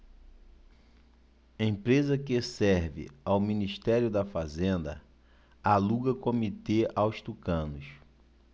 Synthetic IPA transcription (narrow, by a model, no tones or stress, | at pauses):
ẽj̃pɾezɐkɪsɛɾvɪ̰awminiʃt̪ɛɾjʊd̪ɐfazẽnd̪ɐ̰ | aluɡɐkomit̪eʔawst̪ukɐ̃nʊs